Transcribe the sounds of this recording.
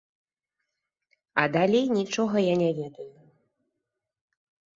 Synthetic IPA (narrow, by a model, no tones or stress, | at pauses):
ɐd̪alʲejnʲit͡ʂɔɣɐjanʲɛvʲɛd̪ɐju